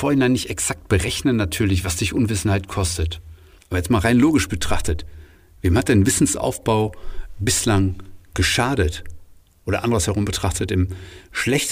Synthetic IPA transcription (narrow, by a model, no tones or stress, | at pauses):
foːɐhɪnaɪnːɪçtɛksak̚t̚b̥əʁɛçnənːatʰyːɐlɪç̬v̥asd̥ɪçʔʊnvɪsn̩haɪtkʰɔstət | ʔaːbɐjɛt͡stmaːlʁaɪnloːɡɪʃb̥ətʁ̥aχtət | veːmhat̚deːnvɪsn̩sʔa̰ʊfb̥aʊbɪslaŋɡ̥əʃaːɾət | ʔoːɾɐʔa̰ndəʁəshɛʁ̞ʊmbətʁ̥aχtətɪmʃlɛçt